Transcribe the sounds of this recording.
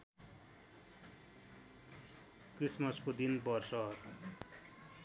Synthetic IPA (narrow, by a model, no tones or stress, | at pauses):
krismʌskod̪inbʌrsʌ